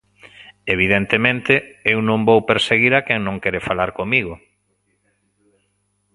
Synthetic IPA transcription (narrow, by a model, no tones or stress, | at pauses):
eβ̞iðent̪emẽnt̪ɪewnõŋbowpeɾseɣiɾakɛŋnõŋkɛɾefalaɾkomiɣo